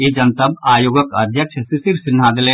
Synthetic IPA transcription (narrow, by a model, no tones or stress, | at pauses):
ed͡ʒɐnt̪əbaːjoːɡəkɐd̪ʱjəkʃəsɪsɪɾsɪn̤ːaːd̪ɪlẽ